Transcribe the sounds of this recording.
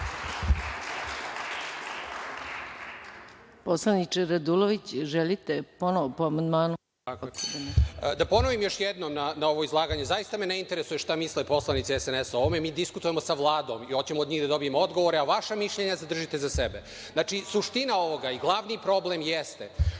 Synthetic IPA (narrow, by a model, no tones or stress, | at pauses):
po̞slˠanit͡ʂeɾad̪uloʋit͡ɕʒelit̪eponoʋopoamand̪maːnu | akː | d̪apo̞noʋimjo̞ʃjed̪nomnanao̞ʋo̞izlˠaːɡaɲezajist̪ameneint̪eɾesujeʃt̪amislepo̞slˠanit̪siɛseneso̞ʋomemiːd̪iskut̪uje̞mosaʋlˠaːd̪o̞mio̞t͡ɕemoːd̪ɲiːɣd̪ad̪o̞bijemoo̞d̪ɡo̞ʋoɾeaʋaʃamiʃʎeɲazad̪r̩ʒit̪e̞zasebe | naːt͡ʂisuʃt̪inao̞ʋoɡaiɡlˠaʋniːpɾo̞blemjest̪e